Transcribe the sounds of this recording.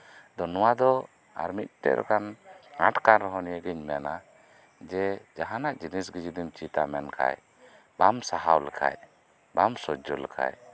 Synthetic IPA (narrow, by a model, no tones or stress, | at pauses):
d̪ɔnɔwad̪ɔ | a̰ɾmit̪̚ʈɛ̰ʔɾɛ̰kanãʈkanɾɔɦɔnijəɡɛɲmɛna | d͡ʒɛd͡ʒaɦanaʔd͡ʒinisɡid͡ʒid̪imt͡ʃit̪amɛnkʰa̰j | bamsaɦawlakʰa̰j | bamsɔd͡ʒɔlakʰa̰j